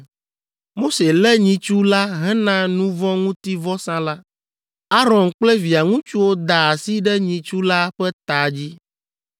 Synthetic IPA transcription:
mo˦se˨lɛ˦ɲĩ˨t͡ʃu˦la˦ɦɛ̃˦nã˦nũ˦vɔ̃˦ŋũ˦t̪i˦vɔ˦sã˦la˦ | a˦ɾɔ̃˨nk͡plɛ˦vi˨a˨ŋũ˦t͡ʃu˦wo˦d̪a˨a˨si˦ɖɛ˦ɲĩ˨t͡ʃu˦la˦ɸɛ˦t̪a˨d͡ʑi˦

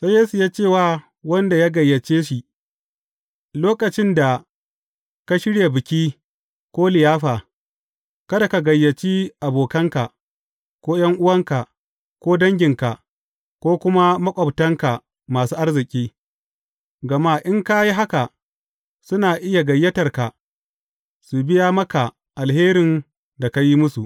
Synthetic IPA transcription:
sɐ˦jːeː˦su˨jaː˦t͡ʃeː˦˨waː˦ | wɐ˦nda˨jaː˦ɡɐ˨jːɐ˨t͡ʃeː˦ʃi˨ʔ | loː˦kɐ˨t͡ʃɪ˦nda˨ | ka˦ʃɪ˦ɽje˨bɪ˨kʲiː˦ | kʷoː˦lɪ˨jaː˦ɸaː˨ | kɐ˦da˨ka˨ɡɐ˨jːɐ˨t͡ʃiː˦ʔa˨boː˨kɐ˦ŋka˨ | kʷoː˦j̰ɐ˦ŋʔʊ˦wɐ˦ŋka˨ | kʷoː˦dɐ˦ŋɡʲɪ˨ŋka˨ | kʷoː˦kʷʊ˦ma˦mɐ˦kʷʼɐ˨btɐ˦ŋka˨ | maː˨suː˦ʔa˦rzɪ˨kʲʼiː˦ | ɡɐ˨ma˦ʔɪ˦ŋka˦ji˦ɦa˦ka˨ | sʊ˦naː˨ʔɪ˦ja˨ɡɐ˨jːɐ˦tɐ˨rka˨ | su˨bɪ˦ja˦mɐ˦ka˨ | ʔa˨lɦeː˦ɾɪ˨n | da˨ka˦ji˦mʊ˦su˨ʔ

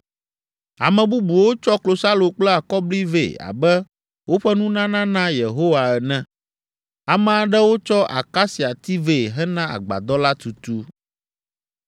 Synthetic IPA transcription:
a̰˨mɛ̃˨bu˦bu˨wo˦t͡ʃɔ˦klo˨sa˦lo˨k͡plɛ˦a˨kɔ˦bli˦vḛ˦˨a̰˨bɛ˦ | wo˦ɸɛ˦nũ˦nã˦nã˦nã˦je˨ɦo˦wa˨ɛ˨nɛ̃˦ | a˨mɛ̃˨a˨ɖɛ˦wo˦t͡ʃɔ˦ʔa̰˨ka˦si˨a˨t̪i˦ve˦˨ɦɛ˦nã˦a̰˨ɡ͡ba̰˨d̪ɔ˦la˦t̪u˨t̪u˦

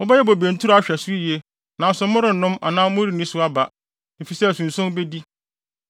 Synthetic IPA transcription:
ʊ˦bɛ˦jɛ˦bo˨bẽ˨n̩˨tʰu˦ɾa˦˨ɕᶣɛ˨su˦i˦je˦ | nã˨n˦sʊ˨˦mʊ̃˦ɾɪ˨n̩˨nʊ̃˦ma̰˨nãː˦mʊ̃˦ɾi˨nĩ˦sʊ˦a˦ba˨ | m̩˨fi˨sɛ˦˨sũ˨n˨sʊ̃˦m˦be˦di˦

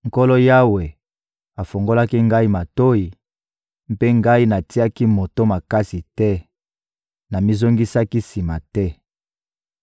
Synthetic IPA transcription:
ŋ̩˨ko˦lo˦ja˦we˨ | a˨fo˨ŋɡo˦la˦ki˦ŋɡa˦i˦ma˨to˦i˨ | m˦pe˦ŋɡa˦i˦na˨ti˦a˦ki˦mo˨to˦ma˨ka˦si˨tɛ˦ | na˨mi˦zo˦ŋɡi˦sa˦ki˦si˨ma˨tɛ˦

